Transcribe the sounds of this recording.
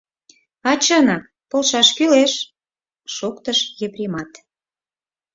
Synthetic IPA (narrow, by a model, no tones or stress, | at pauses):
ɑt͡ɕɑnɑk̚ | polʃɑʃkyleʃ | ʃokt̪əʃjepɾʲimɑt̪